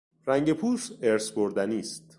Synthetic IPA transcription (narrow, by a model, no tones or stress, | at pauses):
ɾæŋɟe̞pʰuːseɾsboɾd̪æniːst̪